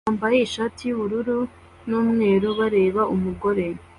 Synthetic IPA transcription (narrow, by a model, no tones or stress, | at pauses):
aːmbaje̞iʃatijuβuɾuɾu | nuːmŋe̞ːɾuβaɾe̞ːβaumuɡo̞ɾe